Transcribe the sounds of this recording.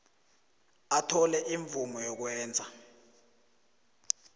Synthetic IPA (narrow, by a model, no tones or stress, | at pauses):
atʰɔlɛʔiɱb̪vumɔjɔk̬wɛːnd͡zʱa